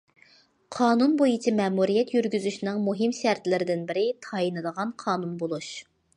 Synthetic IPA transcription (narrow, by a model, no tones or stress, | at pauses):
qʰɑːnunbojit͡ʃʰimɛːmuɾijɛt̪jyɾɡʲyzyʃnɨŋmuɦimʃæɾt̪lɪɾɪd̪ɪnbɪɾɪt̪ʰɑjinɨd̪əʁɑnqʰɑːnunbolˠuʃ